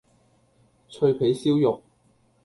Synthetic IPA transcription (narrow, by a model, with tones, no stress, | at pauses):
t͡ʃʰɵ˧ɥpʰe˨˥jsiː˥wjʊ˨k̚